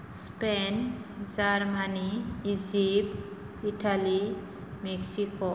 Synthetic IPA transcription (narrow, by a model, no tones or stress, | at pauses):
spend͡ʒaɾmaniid͡ʒip | iʈali | meksiko